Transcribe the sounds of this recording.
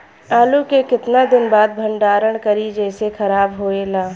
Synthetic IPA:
aːlukekɪt̪nad̪ɪnbaːd̪̚bʱəɳɖaːɾəɽ̃kəɾid͡ʒɛːsekʰəɾaːbɦoelaː

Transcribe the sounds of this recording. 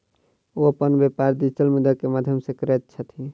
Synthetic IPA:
oəpənbjepaɾd̪it͡ʃəlmud̪əkemad̪ʱjəmsekəɾet̪̚t͡ʃʰət̪ʰi

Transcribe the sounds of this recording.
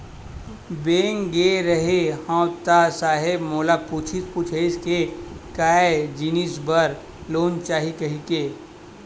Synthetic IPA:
beːŋɡeɾəɦehãt̪asaːɦɪbmoːlaput͡ʃʰipuːt͡ʃʰeɪskekaːed͡ʒinisbəɾ | loːnt͡ʃaːɦikɐɦikeː

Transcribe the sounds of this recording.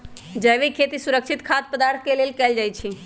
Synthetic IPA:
d͡ʒəʋekʰet̪isuɾəkt͡ʃʰit̪kʰat̪̚pəd̪aɾt̪ʰkelelkɛld͡ʒajt͡ʃʰi

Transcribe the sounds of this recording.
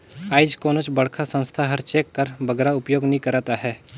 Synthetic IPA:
aːɪd͡ʒkoːnət͡ʃbəɽkʰasə̃nst̪ʰaɦəɾt͡ʃeːkːəɾbəɡɾaʊpjoːɡnɐɦĩkəɾaːt̪aɦɛː

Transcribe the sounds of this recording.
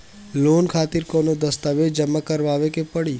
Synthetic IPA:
loːnkʰaːt̪ɪɾkɔːnod̪əst̪aʋed͡ʒəmːakəɾʋaːʋekepəɽiː

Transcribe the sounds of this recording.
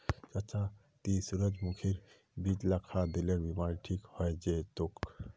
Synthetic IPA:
t͡ʃət͡ʃa | t̪isuɾəd͡ʒmukʰiɾ | bid͡ʒlakʰad̪eleɾbimaɾiʈʰikhɔjd͡ʒet̪ok

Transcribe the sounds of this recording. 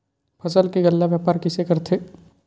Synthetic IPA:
pʰɐsəlkeɡɐlːaʋjaːpaːɾkɪsekɐɾt̪ʰeː

